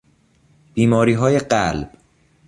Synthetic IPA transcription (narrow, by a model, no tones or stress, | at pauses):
b̥iːmɒːɾiːɦɒːjeɢælb̥